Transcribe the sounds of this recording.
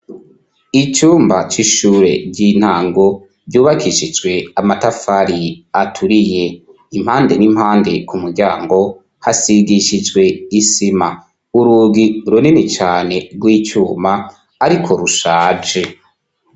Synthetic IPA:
it͡ʃuːmbat͡ʃiʃuːɾe̞̰bɟiːn̥haːŋɡo̞ | bjuːβakʰiʃid͡ʒɡwe̞amatafaɾiatʰuɾije | im̥haːnde̞nimhaːnde̞kumuɾɟaːŋɡo̞ | hasiɡiʃid͡ʒwe̞isima | uɾuːɡiɾuninit͡ʃaːne̞ɡɡwiːt͡ʃuːmaː | ɾikʰo̞ɾuʃaːd͡ʒe

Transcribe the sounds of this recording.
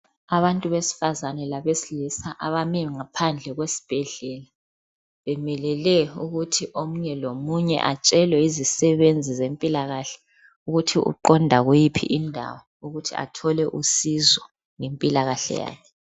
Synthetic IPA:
aβantʼuβesi̥fazanɛlaβesilisaʔaβamɛŋapʰand͡ɮʱɛɣwesi̥b̥ʱɛɮɛla | βɛmɛlɛlɛuɣutʰiʔomuɲɛlomuɲɛ̰ʔat͡ʃʼɛlwɛizisɛβend͡zʱizempʼilaɣaɬɛ̥ | uɣutʰiṵǃɔndʱaɣujipʰḭʔindʱa̰wɔ | uɣutʰia̰tʰɔlɛʔusizɔ | ŋempʼilaɣaɬɛ̰ja̰ːkʰɛ

